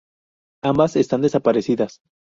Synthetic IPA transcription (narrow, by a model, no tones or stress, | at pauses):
ambase̞st̪and̪e̞sapaɾe̞siðas